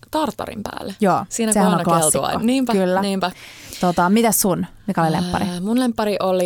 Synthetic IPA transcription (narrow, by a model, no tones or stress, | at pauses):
t̪ɑrt̪ːɑ̰ɾḭmpæ̰ːlːejoːsiːnæsehænnõnklɑslːikɑ̰ːoniːmpækylːæniːmpæt̪ot̪ɑmit̪æssunmikæolilḛmpːɑ̰ɾimunlempːɑɾiʔoli